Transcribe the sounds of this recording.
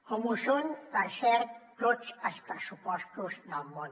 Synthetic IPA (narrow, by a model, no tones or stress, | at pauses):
komusonpəɾsɛɾt̪ot͡səspɾəsupɔst̪uzd̪əlˠmon